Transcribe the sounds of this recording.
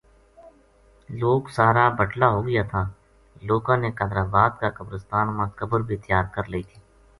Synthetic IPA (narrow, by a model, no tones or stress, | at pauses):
loːksaːɾabəʈlaɦoːɡəjat̪ʰaː | loːkãːnekə̃d̪ɾaːbaːd̪kakəbɾəst̪aːnmãːkəbəɾbʱit̪ɪjaːd̪̚kəɾləiːt̪ʰi̥ː